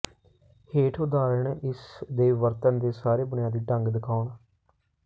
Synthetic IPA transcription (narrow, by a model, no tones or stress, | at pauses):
heːʈʰʊd̪aːɾəɳʔɪsd̪eːʋəɾt̪ənd̪eːsaːɾeːbʊnɪjaːd̪iːɖəŋɡd̪ɪkʰaːɳ